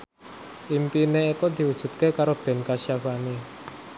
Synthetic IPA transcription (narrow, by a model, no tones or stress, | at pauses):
ʔimpineikɔd̪̥i̤wud̥ʒ̥ṳt̪̚kekaɾob̥ɛ̤nkasjawane